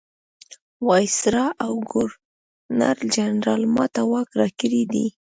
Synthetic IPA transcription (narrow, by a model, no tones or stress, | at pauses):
wɑjsɾɑʔawɡʊɾ | na̰ɾld͡ʒanɾɑlmɑt̪awɑkɾɑkəɾid̪ḭ